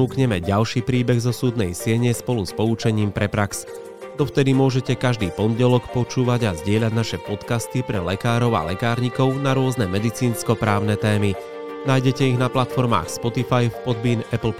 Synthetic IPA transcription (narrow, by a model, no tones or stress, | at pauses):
uːkɲɛmɛɟalʃiːpɾiːbɛɣzɔsuːd̪nɛjsɪɛɲɛspɔluspɔut͡ʃɛɲiːmpɾɛpɾaks | d̪ɔft̪ɛd̪imʊɔʒɛcɛkaʒd̪iːpɔnɟɛlɔkpɔt͡ʃuːʋaɟazɟɪɛʎaɟnaʃɛpɔt̪kast̪ipɾɛlɛkaːɾɔʊa̰lɛkaːɾɲikɔʊnaɾʊɔznɛmɛd̪it͡siːnskɔpɾaːʊnɛt̪ɛːmi | naːjɟɛcɛiɣnaplat̪fɔɾma̰ːxspɔt̪ifajfpɔd̪̚biːnɛpl̩